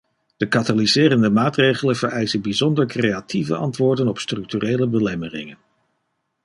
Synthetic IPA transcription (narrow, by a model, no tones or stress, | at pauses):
d̥əkatalizɪːrəndəmaːtrejχələnv̥əɹɛjsənbizɔndəɹkrejatʰivə̰ɑ̰ntʋʊːɹdənɔpstrɵk̚tyrejləbəlɛmərɪ̰ŋən